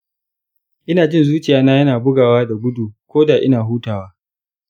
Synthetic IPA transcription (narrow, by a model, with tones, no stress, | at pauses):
ʔɪ˦naː˨d͡ʒɪ˦nzuː˦t͡ʃɪ˨jaː˦na˦jɐ˦naː˨bʊ˦ɡaː˨waː˦da˨ɡʷʊ˦du˨kʷoː˦daː˨ʔɪ˦naː˨ɦuː˦taː˨waː˦